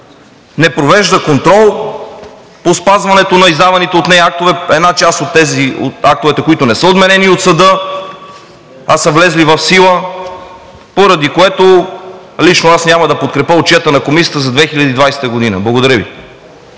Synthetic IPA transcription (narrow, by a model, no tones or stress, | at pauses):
nɛpɾovɛʒd̪əkont̪ɾɔlˠ | pospazvɐnɛt̪onɐizd̪avɐnit̪ɛot̪nɛjak̚t̪ovɛɛd̪nat͡ʃast̪ot̪ːɛzio̰t̪ak̚t̪ovɛt̪ɛkoit̪onɛsəod̪mɛnɛniot̪sɐd̪ɤ | asɐvlɛzlivɐfsilˠə | poɾɐd̪ikoɛt̪o | lit͡ʃnoasnʲamɐd̪ɐpot̪̚kɾɛpəot͡ʃiɛət̪ənɐkomisʲiət̪əzɐd̪vɛxiʎʲɐd̪iːd̪vajsɛ̥t̪əɡod̪inə̰blˠɐɡod̪ɐɾəvḭ